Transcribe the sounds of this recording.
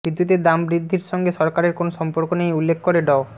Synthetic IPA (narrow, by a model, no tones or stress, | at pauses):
bɾid̪ːut̪ed̪ambɾid̪ʱːiɾʃɔŋɡeʃɔɾkaɾeɾkonoʃɔmpoɾkonejulːekʰːkoɾeɖɔo